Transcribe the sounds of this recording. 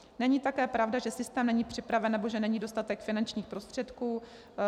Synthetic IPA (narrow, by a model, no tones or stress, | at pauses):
nɛɲit̪akɛːpɾavdaʒɛsɪst̪ɛːmnɛɲipr̝̥ɪpɾavɛnːɛbo̞ʒɛnɛɲiːdo̞st̪at̪ɛkfɪnant͡ʃɲiːxpɾost̪r̥ɛt̪kuː